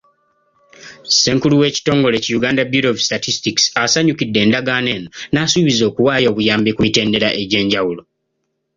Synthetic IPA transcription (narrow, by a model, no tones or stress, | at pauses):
se̞ːŋkuluwe̞ːci̥to̞ːŋɡo̞le̞cijuɡaːndabuɾovistatistiksasaɲukidːe̞ːndaɡaːne̞ːnonaːsuβizo̞ːkuwaːjo̞ːβujaːmbekumite̞ːnde̞ɾaʔe̞ɟe̞ːɲɟawulo